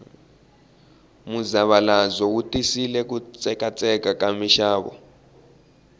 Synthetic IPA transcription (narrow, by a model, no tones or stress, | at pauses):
muzaβalazɔutʼisilɛk̬ut͡sʼɛkat͡sʼɛkakamiʃaːβɔ̰